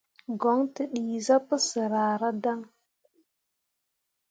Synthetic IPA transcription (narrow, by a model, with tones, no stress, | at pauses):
ɡo˨˦ŋtə˨ɗi˨za˦pə˦sə˨ɾa˨ɾa˦da˦ŋ